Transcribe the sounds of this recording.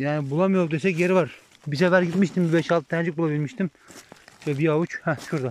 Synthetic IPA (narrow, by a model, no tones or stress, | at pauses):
jaːnibulˠamɯjoɾd̪esɛcjeɾvaɾ | bis̬ɛfæɾɟit̪miʃt̪ʰimbibɛʃalˠt̪ʰɯd̪ɛnd͡ʒik̚bulˠabilʲmiʃt̪ʰim | ɛbiaut͡ʃhɛsʃuɾd̪a